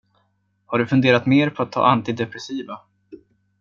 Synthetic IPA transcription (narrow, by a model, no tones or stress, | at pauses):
haɖɵfɵnd̪eːɾat̪meːɾpʰɔat̪ʰːɑ̰ːʔant̪ɪd̪ɛpɾɛsiːva